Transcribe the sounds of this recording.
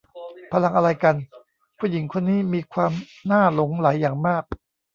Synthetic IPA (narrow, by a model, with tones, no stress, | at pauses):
pʰa˧la˧ŋʔa˧ɾa˧jka˧n | pʰuː˥˩ji˩˦ŋkʰo˧nːiː˦˥miː˧kʰwaː˧m | naː˥˩lo˩˦ŋlaː˩˦jːaː˨˩ŋmaː˥˩k̚